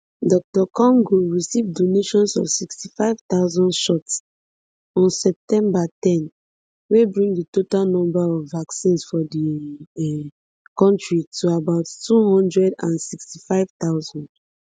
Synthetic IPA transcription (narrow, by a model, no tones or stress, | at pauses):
dɔk̚tɔkɔ̃ŋɡoɹisivdoneʃɔ̃nsɔ̰vsikstifaɪv̥t̪aʊzɔ̃ndʃɔts | ɔ̃nsɛp̚tɛ̃mbatɛ̃n | webɹĩŋditotalnɔ̃mbaɔvːaksĩnsfɔdi | kɔ̃ntɹitʰuabaʊttuhɔ̃ndɹɛdã̰nsikstifaɪv̥taʊzɔ̃nd̥